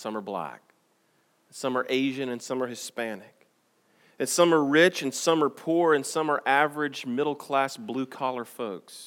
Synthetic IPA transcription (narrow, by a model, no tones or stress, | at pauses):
sʌ̃mə˞blæ̰k̚ | nsʌ̃mə˞ʔeɪʒɨ̃nɨ̃nsʌ̃mə˞hɨspænɪk | ɨ̃nsʌ̃mə˞ɹɪt͡ʃɨ̃n̩sʌ̃mə˞pʰuɹɨ̃nsʌ̃mə˞ʔævə˞ɨd͡ʒmɪɾl̩ˠkʰl̥æsblʉkʰɑlˠə˞foʊks